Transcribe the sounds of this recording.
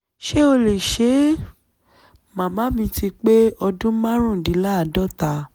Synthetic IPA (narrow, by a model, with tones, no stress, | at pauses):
ʃe˦o˧le˨ʃe˨˦ | mã˨mã˨˦mĩ˧ti˧k͡pe˦ɔ˧dũ˦mã˦ɾ̃ũ˦˨dĩ˨˦la˦a˨dɔ˦˨ta˧